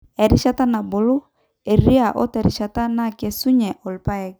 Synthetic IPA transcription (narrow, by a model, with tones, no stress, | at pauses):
ɛ˨ɾi˦ʃa˦ta˦na˨bo˨lo˦ | e˨ɾi˦a˨ʔɔ̰˦tɛ˨ɾi˨ʃa˨ta˦na˦ke˨su˦ɲɛ˨ʔɔ˨lpa˦ɛ˦k̚